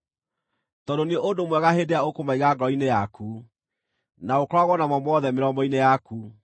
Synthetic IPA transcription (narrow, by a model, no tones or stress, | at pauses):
tɔdoneʔodomwɛɣahedeaokomaiɣaɡɔinejaku | naokɔɾaɣwɔnamɔmwɔðɛmeɾɔmbɔinejaku